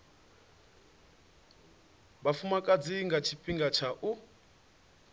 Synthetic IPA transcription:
bafumakʼad͡ziŋɡat͡ʃʰipʼiŋɡat͡ʃʰaʔu

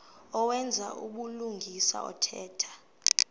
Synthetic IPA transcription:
ɔwɛnd͡zʱaʔṵɓuluŋʱisa̰ɔ̰tʰɛːtʰḁ

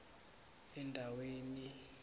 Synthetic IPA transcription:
ɛndʱaweːni

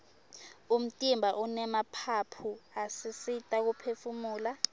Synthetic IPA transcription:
um̩tʼimbʱaʔunɛmapʰapʰuasisitʼak̬upʰefumuːla

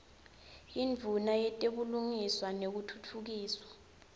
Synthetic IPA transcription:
iɱvʱunajɛtʼeɓuluŋiswanek̬utʰutʰuk̬iːswḁ

